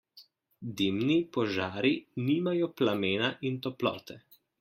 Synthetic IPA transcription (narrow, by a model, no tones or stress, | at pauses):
d̪iːmnipɔʒaːɾiniːmajɔplameːnaʔint̪ɔplɔ̰ːt̪ɛ